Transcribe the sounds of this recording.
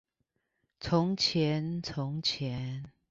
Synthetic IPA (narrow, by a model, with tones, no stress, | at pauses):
t͡sʰʊ˨˦ŋt͡ɕʰjɛ˨˦nt͡sʰʊ˨˦ŋt͡ɕʰjɛ˨˦n